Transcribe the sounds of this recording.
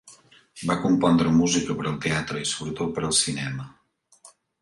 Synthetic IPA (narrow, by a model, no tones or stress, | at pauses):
bakumpɔnd̪ɾəmuzikəpəɾəlˠt̪eat̪ɾəisuβɾət̪ot̪̚pəɾəlˠsinɛmə